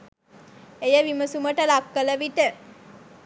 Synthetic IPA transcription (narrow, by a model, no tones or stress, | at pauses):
ejəʋiməsuməʈəlakːələʋiʈə